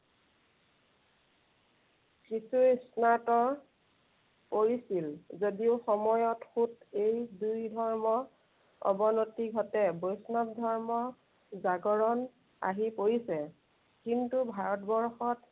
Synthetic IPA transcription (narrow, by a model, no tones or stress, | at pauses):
kisusnatɔ | poɹisilzodiʊxɔmɔjɔtxutejdujdʱɔɹmɔ | ɔ̰bɔnotiɡʱɔtɛbojsnap̚dʱɔɹmɔ | zaɡɔɹɔn | a̰ɦipoɹisɛ | kintubʱaɹɔtbɔɹxɔt